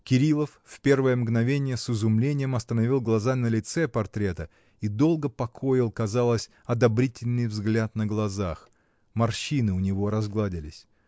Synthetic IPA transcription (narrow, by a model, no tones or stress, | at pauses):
kʲɪɾʲilˠəfːpʲe̞rvəjəmɡnɐvʲenʲɪjəsɨzʊmlʲenʲɪjəmɐst̪ənɐvʲilˠɡlˠɐzanəlʲɪt̪sɛpɐrt̪ɾʲe̞t̪ə | id̪o̞lˠɡəpɐkʰo̞jɪlˠkɐzalˠəsʲ | ɐd̪ɐbɾʲitʲɪlʲnɨjvzɡlʲat̪nəɡlˠɐzax | mɐrɕinɨʊnʲɪvo̞ɾɐzɡlˠadʲɪlʲɪsʲ